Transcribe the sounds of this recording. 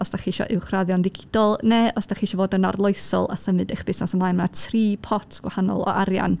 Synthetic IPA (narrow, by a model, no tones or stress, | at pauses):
ɔsd̥aχiːʃɔ̰ʔɪwχraðjɔnðɪɡʰɪd̥ɔlˠneɔsd̥aχiːʃɔvoːdənarlˠʊjsɔ̰lˠa̰səmɨdəχb̥ɪsnasəmlˠajmnatʰriːpʰɔtʰɡ̥wahanɔ̰lˠɔ̰ʔaɾja̰n